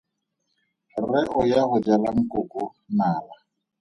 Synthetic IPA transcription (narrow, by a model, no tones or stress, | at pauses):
rɛʔʊjahʊd͡ʒalaŋ̩kʼʊkʼʊ | naːla